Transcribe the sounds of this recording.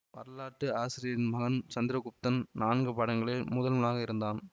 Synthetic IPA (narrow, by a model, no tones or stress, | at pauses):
pɐ̰ɾɐlaːʈːɯaːsɪɾɪjɐɾɪnmɐɣɐnt͡ʃɐnd̪ɪɾɐkʊp̚t̪ɐnnaːnɡɯpɐɽɐŋɡɐɭɪlmʊðɐlmɐnaːɣɐɪɾɯnd̪aːn